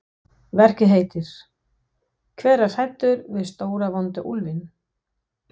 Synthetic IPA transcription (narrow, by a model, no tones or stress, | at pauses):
vɛr̥cɪɦeːjt̪ɪɾ̥ | kʰvɛːɾasajt̪ːʏɾvɪðst̪oːwɾavɔnt̪aʔulvɪn